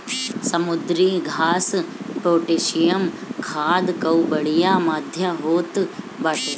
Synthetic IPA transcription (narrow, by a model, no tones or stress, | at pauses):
sɐmud̪ɾiːɡʱaːsʈoːʈeːʃijɐmkʰaːd̪kɐwbɐɭijaːmaːd̪ʱjɐɦoːt̪ | baːʈe